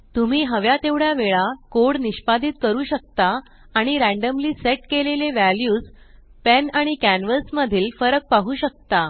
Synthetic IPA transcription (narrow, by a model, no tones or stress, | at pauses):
t̪um̤iːɦəʋjat̪eʋɽjaʋeɭakoɽniɕpad̪ʱiːt̪kəɾuːɕək̚t̪a | aɽ̃iɾæ̃ɳɖəmliːseʈkeleleʋæljuːd͡z | penaɽ̃ikænʋəlsməd̪ʱiːlfəɾək̚paɦuːɕək̚t̪a